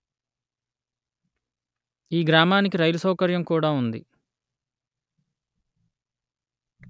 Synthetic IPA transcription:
iːɡɾaːmaːnikiɾɐjlusɐwkɐɾjɐmkuːɽaːund̪ḭ

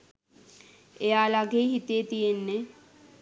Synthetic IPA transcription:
ejaːlaɡeːɦit̪ejet̪ijenːe

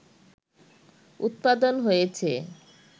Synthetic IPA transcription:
ṵt̪̚pad̪onɦojet͡ɕʰe

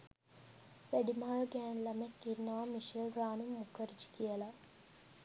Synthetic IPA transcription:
ʋæɖimaaɡæːnlɐmekːinːaʋamiʃelɾaːnumːukʰːɐɾid͡ʒi̥kijəlɐ

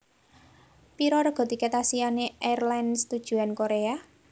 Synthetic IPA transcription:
piɾɔɾəɡ̥ɔ̤t̪iket̪asianeɛrlanst̪ud̥ʒ̥ṳankoɾea

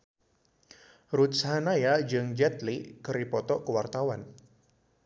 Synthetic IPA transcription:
ɾut̪̚shanajad͡ʒɨŋd͡ʒɛt̪likəɾipɔt̪ɔʔkəwart̪awan

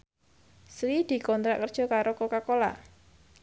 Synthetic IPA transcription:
sɾid̪̥i̤kɔnt̪ɾa̰ʔkərd̥ʒ̥ɔ̤kaɾokokakola̰ʔ

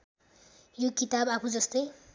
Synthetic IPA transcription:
jokit̪abapʰud͡zʌst̪ʌj

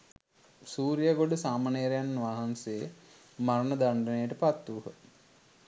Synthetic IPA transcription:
suːɾijaɡoɖusaːmaneɾejanːʋaɦansee | maɾnəd̪aɳɖənejəʈəpat̪ːuːɦə

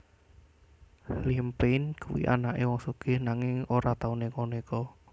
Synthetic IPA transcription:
limpenkṵwḭʔa̰naʔewɔŋsuɡ̥ɪ̤hnaŋɪŋoɾat̪aunekonekɔ

